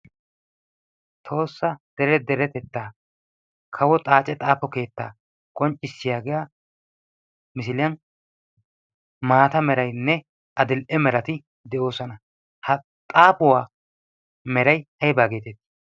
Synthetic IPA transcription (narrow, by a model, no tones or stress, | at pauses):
t̪ʰo̞ːsːɐd̪̥ɛɾɛd̪ɛɾɛt̪ɛt̪ːaː | kʰɐwɔt̪ʼaːt͡ʃʼɛt̪ʼaːpɔke̞ːt̪ːaː | kʼɔnt͡ʃʼːɪsːɪjaːɡɪjaː | mɪsɪlɪjɐn | maːt̪ɐmɛɾɐjnːɛ | ʔɐd̪ɪlʔɛmɛɾɐt̪ɪ | d̪ɛʔo̞ːsɔnɐ | hɐ | t̪ʼaːpʊwaː | mɛɾɐjʔɐjbaːɡeːt̪ɛt̪ː